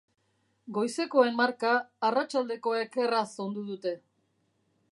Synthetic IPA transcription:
ɡo̞jse̞ko̞e̞nmaɾkaːrat͡ʃald̪e̞ko̞eke̞raso̞nd̪uð̞ut̪e̞

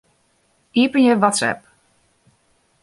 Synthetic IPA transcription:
iːpənjəʋɔtsɛ̰p

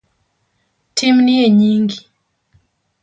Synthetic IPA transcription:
tʰimniɛɲiŋɡi

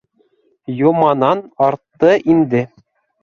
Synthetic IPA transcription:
jumɑnɑnɑɾt̪ːɤʔinʲd̪ʲɘ̆

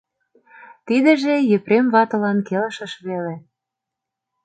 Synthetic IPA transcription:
t̪id̪ə̆ʒejɘpɾemβɑt̪ɤ̆lɑnkelə̆ʃɤ̆ʃβele

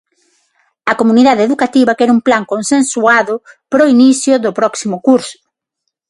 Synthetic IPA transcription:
ɐkomuniðaðeðukat̪iβɐkɛɾumplaŋkonsensuaðʊpɾoiniθjʊðʊpɾɔksimʊkuɾsʊ̥

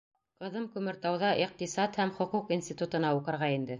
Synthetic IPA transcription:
qɤ̆ðɤmkʉmɘ̆ɾt̪ɑwðɑʔiq̚t̪isɑt̪hæmχŏquqinsʲt̪ʲit̪ut̪ɤ̆nɑuqɤ̆ɾʁɑind̪ɘ

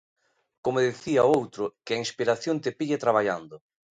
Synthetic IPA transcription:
komoðeθiaoowt̪ɾʊkɪainspiɾaθjont̪epiʎet̪ɾaβ̞aʎa̰nd̪ʊ

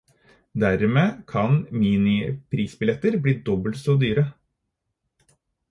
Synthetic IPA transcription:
d̪æɾmeːkʰɑnmiːnɪpʰɾiːsbɪlɛt̪əɾbliːd̪ɔbəlsoːd̪yːɾə

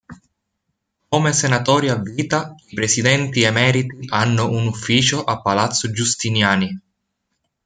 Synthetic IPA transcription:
komesenat̪ɔːɾiavːiːt̪aipɾesid̪ɛnt̪iemɛːɾit̪iʔanːʊunufːiːt͡ʃoʔapːalat̪sːʊd͡ʒust̪injaːni

